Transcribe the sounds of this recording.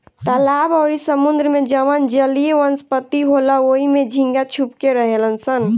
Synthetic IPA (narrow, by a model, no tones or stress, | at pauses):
t̪əlabəʊɾisəmund̪ɾəmed͡ʒəʋənd͡ʒəlieʋənspət̪iɦolaoimed͡ʒʱĩŋɡat͡ʃʰupkeɾəɦelənsən